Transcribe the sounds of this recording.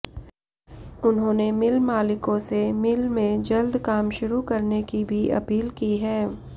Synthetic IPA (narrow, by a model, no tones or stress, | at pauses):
ʊnɦõːnemɪlmaːlɪkõsemɪlmẽd͡ʒɐld̪kaːmʃʊɾukɐɾnekibʱiʔɐ̰piːlkiɦɛː